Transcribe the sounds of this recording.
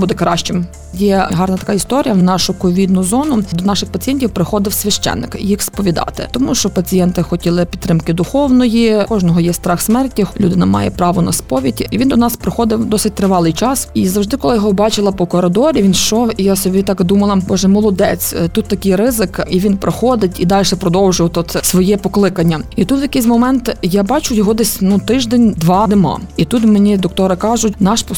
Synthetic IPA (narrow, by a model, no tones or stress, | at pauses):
bud̪ɛkɾɑʃt͡ʃɪm | jɛɦɑrnɐt̪ɐ̥kɑist̪ɔɾʲijɐnɑʃʊkɔʋʲid̪nʊzɔnʊd̪ɔnɑʃɪxpɐt͡sʲijɛnʲtʲiwpɾɪxɔd̪ɪwsʲʋʲɐʃt͡ʃɛ̰nːɪ̰kijixspɔʋʲid̪ɑ̰t̪ɪ̰t̪ɔmuʃt͡ʃɔpɐt͡sʲijɛnt̪ɪxɔtʲilˠɪpʲit̪t̪ːɾɪmkɪd̪ʊxɔwnɔjikɔʒnɔɦɔjɛst̪ɾɑxsmɛrtʲilʲud̪ɪnɐmɑ̰jɛ̰pɾɑʋɔnɐspɔʋʲitʲiʋʲind̪ɔnɑspɾɪxɔd̪ɪwd̪ɔsɪt̚ʲt̪ɾɪʋɑlˠɪjt͡ʃɑsizɐwʒd̪ɪkɔlˠɪjɔɦɔbɑt͡ʃɪlˠɐpɔkɔɾɪd̪ɔɾʲiʋʲint͡ʃɔwijasɔbʲit̪ɑkd̪umɐlˠɐbɔʒɛmɔlˠɔd̪ɛt͡sʲt̪ut̪ːɐkɪjrɪzɪkiʋʲinpɾʔoxɔd̪ɪtʲid̪ɑlʲʃɛpɾɔd̪ɔwʒʊjɐt̪ɔt̪sʋɔjɛpɔklˠɪkɐnʲːɐit̪ut̪ʋjɐkɪjs̬ʲmɔmɛnt̪jabɑt͡ʃʊjɔɦɔd̪ɛsʲnut̪ɪʒd̪ɛnʲd̪ʋɑnemɑ̰it̪ut̪menʲid̪ɔk̚t̪ɔɾɪkɑʒʊtʲnɑʃpɔ